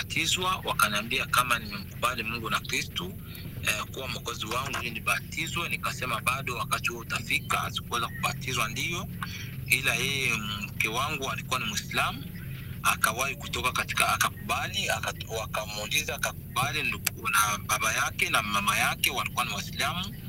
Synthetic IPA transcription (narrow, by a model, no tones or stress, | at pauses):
atʰizwawakaniambiakamanimɛm̩kuɓalimuŋɡunakɾistɔ | ɛkuwam̩ɔkɔziwaŋɡuliniɓatizwɛnikasɛmaɓaɗɔwakatihuɔutafika̰a̰zikuwɛzakuɓatizwandijɔ | ilajɛjɛm̩kɛwaŋɡualikuwanimuislamu | a̰kawahikutɔkakati̥kaːkakuɓaliawakamuulizaːkakuɓalinunaɓaɓajakɛnamamajakɛwalikuwanimwaislamu